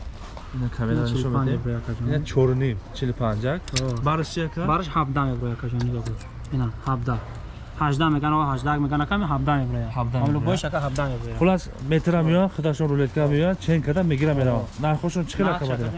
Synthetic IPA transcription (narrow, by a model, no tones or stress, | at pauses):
inakʰamelaaʃɔmaeebɾɔjakʰad͡ʒɔinat͡ʃʰɔɾnimt͡ʃʰilpʰand͡ʒak̚baɾɨʃt͡ʃʰiakʰabaɾɨʃhabd̪amebɾɔjakʰad͡ʒɔniɡabɔ | inahabd̪a | haʒd̪ameɡanɔahaʒd̪aakmeɡanakʰamiɦab̚d̪amebɾɔjahabd̪alubɔiʃakaɦabd̪amebɾɔjaχulas | met̪ʰɾamijɔjanχəd̪aʃɔnɾulet̪̚kʰaamejant͡ʃʰeŋkʰad̪ameɡiɾamːeɾavannaɾχɔʃɔnt͡ʃʰi̥χelakʰaad̪